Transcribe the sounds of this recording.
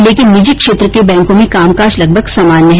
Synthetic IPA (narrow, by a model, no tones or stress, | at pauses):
leːkɪnːɪd͡ʒikʃeːt̪ɾəkebɛ̃ːŋkõmẽkaːmkaːɾd͡ʒlɐɡ̚bʱəɡsaːmaːnːɐɦ